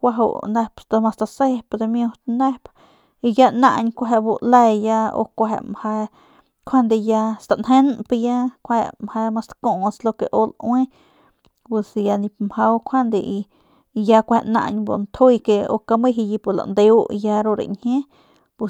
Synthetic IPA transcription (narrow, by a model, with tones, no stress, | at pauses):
kʷa˧ɦo̰˧ne˧pst̪a˧ma˧st̪a˧se˦pd̪e˧mju˧t̪ne˦p | i˧ja˦na̰˧ɲkʷa˧ɦe˧ʔbu˧le˧ja˧o̰˧kʷa˧ḛ˧˨mha˧ | kʷʰa˦nd̪e˧ja˧st̪a˧nɦe˦npja˦kʷa˧hḛ˧mha˧ma˧st̪ko˧˨slo˧ke˧ʔo˧lwe˦ | pe˧sja˧ni˧pmha˧wkʷʰa˦nd̪e˧i˧ | ja˧kʷhe˧ʔna̰˧ɲbṵ˧nt̪ʰu˦jke˧o̰˧ka˧mi˦ɦi˧ji˧pu˧la̰˨nd̪e˧u˦ja˧ɾo˧ɾḛ˨nhẽ˦ | pu˧